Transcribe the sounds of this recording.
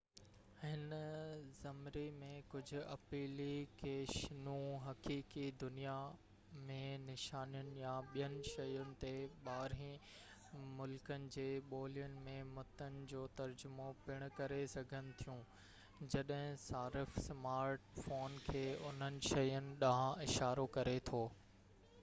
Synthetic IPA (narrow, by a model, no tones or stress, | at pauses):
hɪnzɐmɾimẽkʊd͡ʑʱʊ̆ɐpiːlikeːʃnũɦɐkiːkid̪ʊnija | mẽnɪʃaːnijʊnɪ̆jãɓijənɪ̆ʃɐjʊnɪ̆t̪eɓaːɾɦĩ | mʊlkənɪ̆d͡ʑeːɓoːlijʊnɪ̆mẽmʊt̪ənɪ̆d͡ʑoːt̪ɐɾd͡ʑʊmopɪɽ̃ʊkɐɾesɐɡʱənɪ̆t̪ʰijũː | d͡ʑɐɗɦɪ̃saːɾɪfsmaːɾʈfoːnkʰeːʊn̤ənɪ̆ʃɐjʊnɪ̆ɗaɦãɪʃaːɾokɐɾet̪ʰoː